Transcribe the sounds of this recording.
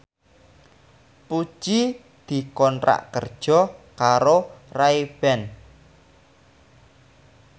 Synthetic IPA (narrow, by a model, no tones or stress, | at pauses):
put͡ʃi | d̪̥i̤kɔnɾa̰ʔkərd̥ʒ̥ɔ̤kaɾoraib̥ɛn